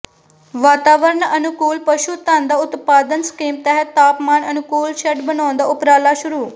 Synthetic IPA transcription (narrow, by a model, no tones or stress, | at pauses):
ʋaːt̪aːʋəɾəɳənʊkuːlpəʃuːt̪ãːnd̪aːʊt̪paːd̪ənskiːmt̪ɛɦət̪ːaːpmaːnənʊkuːlʃɛʈbənaːnd̪aːʊpɾaːlaːʃʊɾuː